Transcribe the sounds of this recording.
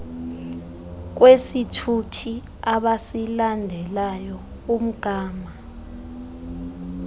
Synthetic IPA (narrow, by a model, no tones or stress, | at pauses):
k̬wesitʰutʰi | aɓasilandʱɛlajɔ | um̩ɡ̥ʱaːma